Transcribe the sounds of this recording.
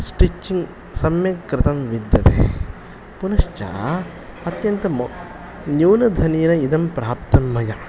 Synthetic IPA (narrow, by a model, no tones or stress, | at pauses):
sʈit͡ʃːiŋɡ | sɐmjɐkɾɪt̪ɐmʋid̪jɐt̪ḛ | punɐʃt͡ʃa̰ː | ɐt̪jɐnt̪ɐm | njuːnɐd̪ʱɐniːnɐid̪ɐmpɾaːpt̪ɐmːɐjɐ